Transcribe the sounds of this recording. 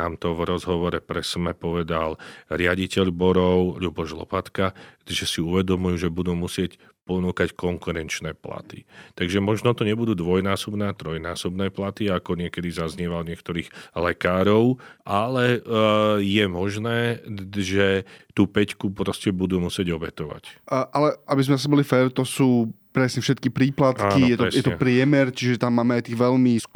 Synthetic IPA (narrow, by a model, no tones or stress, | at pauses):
aːmt̪ɔvɾɔzɦɔʋɔɾɛpɾɛsmɛpɔʋɛd̪alɾɪaɟicɛʎbɔɾɔʊʎubɔʒlɔ̰pat̪kaʒɛsiuʋɛd̪ɔmujuːʒɛbud̪uːmusɪɛc | pɔnuːkackɔŋkuɾɛnt͡ʃnɛːpla̰t̪ḭt̪aɡʒɛmɔʒnɔt̪ɔɲɛbud̪uːd̪ʋɔjnaːsɔbnɛːat̪ɾɔjnaːsɔbnɛːplat̪iakɔɲɪɛkɛd̪izazɲɛʋalɲɪɛkt̪ɔɾiːɣlɛkaːɾɔʊʔalɛ | jɛmɔʒnɛːʒɛt̪uːpɛckupɾɔscɛbud̪uːmusɪɛɟɔbɛt̪ɔʋa̰cːʔalɛʔabizmɛzas̬ɲɛbɔlifɛːɾt̪ɔsuːpɾɛsɲɛfʃɛt̪kipɾiːplat̪kanijɛt̪ɔɛsjɛt̪ɔɛpɾɪɛmɛɾt͡ʃiʒɛt̪amːaːmɛajt̪iːɣʋɛlmis